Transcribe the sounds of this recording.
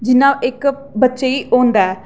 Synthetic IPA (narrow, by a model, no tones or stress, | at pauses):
d͡ʒɪnaːʔɪk | bətːʃeiːʔoːnd̪aɛ